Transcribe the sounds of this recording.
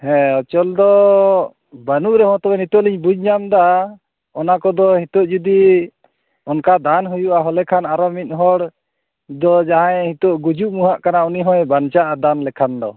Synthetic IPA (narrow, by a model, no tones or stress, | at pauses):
hɛ̃ɔt͡ʃɔld̪ɔ | banuʔɾɛɦɔ̃t̪ɔbɛnit̪ɔʔliɲbud͡ʒɲamd̪a | ɔnakɔd̪ɔhit̪ɔʔd͡ʒud̪i | ɔnkad̪anɦujuʔaɦɔlɛkʰanaɾɔmit̪̚ˀɦɔɽ | d̪ɔd͡ʒaɦãɛhit̪ɔʔɡud͡ʒuʔmuɦaʔkanauniɦɔ̃jɛbant͡ʃaʔad̪anlɛkʰand̪ɔ̰